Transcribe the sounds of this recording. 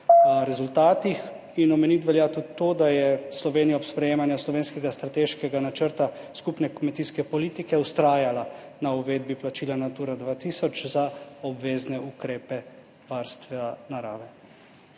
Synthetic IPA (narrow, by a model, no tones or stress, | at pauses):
ɾɛzult̪aːt̪ix | inɔmɛnit̪̬ʋɛljat̪ud̪it̪oːd̪ajɛslɔʋeːnijapspɾɛjeːmanjaslɔʋeːnskɛɡast̪ɾat̪eːʃkɛɡanat͡ʃəɾt̪a | skupnɛkmɛt̪iːskɛpɔliːt̪ikɛust̪ɾaːjala | nauʋeːd̪̚biplat͡ʃiːlanat̪uːɾad̪ʋaːt̪iːsɔt͡ʃzaɔbʋeːznɛukɾeːpɛ | ʋaɾst̪ʋnaɾaːʋɛ